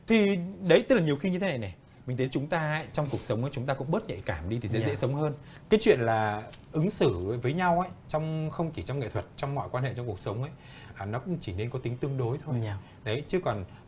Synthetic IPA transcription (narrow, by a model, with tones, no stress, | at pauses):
t̪ʰi˨˩ɗə˨˦jt̪ə˦˥lːɲi˨˩əwxi˧ɲɨ˧t̪ʰe˦na˨˩jnɛ˨˩ | mi˨˩ŋ̟t̪ʰə˨˦t͡ɕʊ˨˦ŋ͡mt̪aː˧˦jt͡ɕɔ˧wŋ͡mku˨˩ək̚sə˨˦ŋ͡mʔə˨˦t͡ɕʊ˨˦ŋ͡mt̪aː˧kʊ̰˧˥ŋ͡mɓə˦˥t̚ɲə̰˧˨jkaː˧˩mɗi˧t̪ʰi˨˩zḛ˨˦zɛ̰˧˥sə˨˦wŋ͡mhəː˧n | kaː˨˦jt͡ɕwḭ˧˨ənlaː˨˩ʔɨ˨˦ŋsɨ˧˩˦vəː˨˦jɲa˧wʔə˨˦jt͡ɕɔ˧wŋ͡mxə˧wŋ͡mt͡ɕi˧˩t͡ɕɔ˧wŋ͡mŋḛ˧˨t̪ʰwə˨˩t̚t͡ɕɔ˧wŋ͡mmɔ̰˧˨jkwaː˧nɦḛ˧˨t͡ɕɔ˧ŋ͡mku˨˩ək̚sə˨˦wŋ͡mʔə˧˦j | ʔaː˨˩nɔ˨˦kʊ̰˧˥ŋ͡mt͡ɕi˧˩ne˧nkɔ˨˦t̪i˨˦ŋ̟t̪ɨ˧əŋɗo˨˦jt̪ʰo˧j | ɗə˨˦jt͡ɕɨ˨˧˦kɔ˨˩n